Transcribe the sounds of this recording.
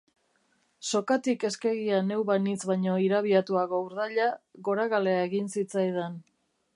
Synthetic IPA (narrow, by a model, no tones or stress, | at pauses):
so̞kat̪ike̞ske̞ɣiane̞wβanit͡sβajɲo̞iɾaβ̞iat̪uaɣo̞uɾðaʎaɣo̞ɾaɣale̞aeɣinsit͡sajð̞en